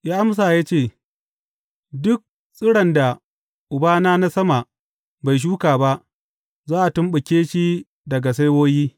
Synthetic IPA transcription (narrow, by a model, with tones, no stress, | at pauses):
jaː˦ʔa˦ms̬aː˨jaː˦t͡ʃeː˦˨ | dʊ˦k̚ | sʼɪ˦ɽɐ˨nda˨ | ʔʊ˨baː˦naː˦na˦sɐ˦ma˨ʔ | ba˨jʃ̬uː˦kaː˨ba˦ʔ | zaː˦ʔa˨tʊ˦mɓʊ˨kʲeː˦ʃi˦ | dɐ˨ɡa˨s̬a˦jwoː˦jiː˦